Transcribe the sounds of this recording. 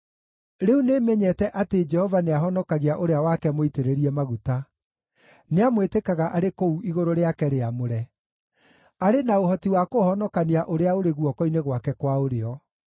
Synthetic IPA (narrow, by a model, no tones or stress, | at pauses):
ɾeunemɛɲɛtɛʔated͡ʒɛhɔvaneaɦɔnɔkaɣiaʔoɾeawakɛmoiteɾeɾiɛmaɣuta | neamwetekaɣaʔaɾekouiɣoɾoɾeakɛɾeamoɾɛ | aɾenaoɦɔtiwakohɔnɔkaniaʔoɾeaoɾeɣwɔkɔineɣwakɛkwaoɾeɔ